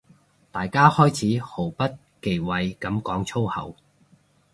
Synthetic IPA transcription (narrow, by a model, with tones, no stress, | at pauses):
t̪aː˨jkaː˥hɔː˥jt͡sʰiː˨˥ho˨˩wpɐ˥t̚ | ke˨˩jwɐ˨jkɐ˨˥mkɔː˨˥ŋt͡sʰo˥whɐ̰˨˩w